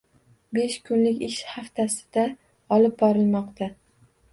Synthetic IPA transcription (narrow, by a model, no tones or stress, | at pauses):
be̞ʃkʰʊnlɪkʲɪʃhaft̪ʰasɪ̥d̪̥a | ɒlɪb̚bɒɾɪlmɒqt̪ʰa